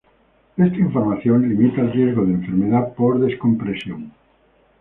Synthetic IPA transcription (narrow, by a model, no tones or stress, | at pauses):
est̪aiɱfoɾmaθjonlimit̪aelrje̞zɣoð̞eɱfeɾmeðapoɾðeskompɾesjoŋ